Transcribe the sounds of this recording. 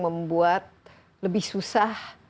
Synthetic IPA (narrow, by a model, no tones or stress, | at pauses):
məmbuat̪̚ | ləbɪhsusah